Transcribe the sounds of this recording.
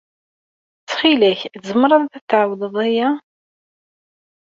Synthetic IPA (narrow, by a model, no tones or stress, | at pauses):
t͡sːχilæçθzəmɾˤɑðˤθæθʕawðəðˤæjæ